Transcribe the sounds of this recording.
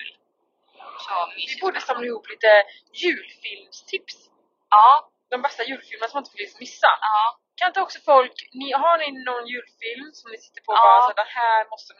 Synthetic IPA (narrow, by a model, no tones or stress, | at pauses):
l | d̪ɛbuːd̪əsamnaɪhuːpliːt̪ə | jʉ̟ːlfɪlmst̪ʰɪps | d̪ɔmbɛst̪ajʉ̟ːlfɪlmənasɔmɪnt̪əfɪlɪtsmɪsːa̰ | kʰanɪnt̪əɔksɔfɔlknɪɦaɳɪnɔnjʉ̟ːlfɪlmsɔmnɪsɪ̥t̪ːəɾpʰɔsɔd̪ɛnhæːɾmɔst̪ən